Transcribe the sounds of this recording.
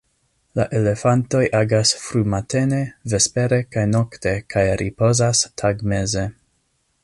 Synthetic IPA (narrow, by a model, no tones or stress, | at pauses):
la̰ʔe̞le̞fanto̞jʔaɡasfɾumate̞ne̞ve̞spe̞ɾe̞kajno̞kte̞kʰajɾipo̞zastʰaɡme̞ze̞